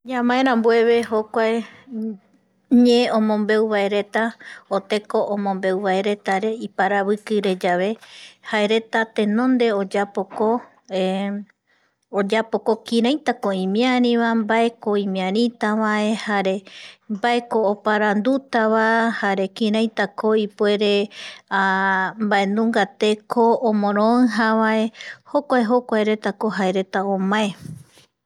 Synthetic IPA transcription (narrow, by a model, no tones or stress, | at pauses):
ɲãmãẽɾ̃ãmbwe̞βe̞ɦokʷae | ɲẽõmõ̞mbe̞uβaeɾe̞t̪aot̪e̞ko̞ʔomõ̞mbe̞wβae̞ɾe̞t̪aɾe̞ipaɾaβɨkɨɾe̞d͡ʒaʋe̞haeɾe̞t̪at̪ẽ̞nõ̞nd̪e̞od͡ʒapoko | od͡ʒapo̞ko̞kĩɾãjt̪akoĩmĩãɾĩʋambae̞koĩmĩãɾĩt̪aʋae̞haɾe̞mbaekoːpaɾand̪ut̪aβahaɾe̞kĩɾ̃ajt̪akoipwe̞ɾe̞ambae̞nũŋɡat̪e̞kʰõːmõɾ̃õɨ̃ɦaβae̞ho̞kʷaeɦokʷaeɾe̞t̪ako̞ɦaeɾe̞t̪aomãe